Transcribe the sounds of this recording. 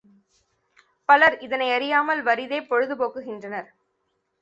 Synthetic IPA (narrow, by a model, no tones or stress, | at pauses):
pɐlɐɾɪðɐnɐɪɐɾɪjaːmɐlʋɐɾɪðeːpɔɻɯðɯpoːkːɯɣɪndrɐnɐɾ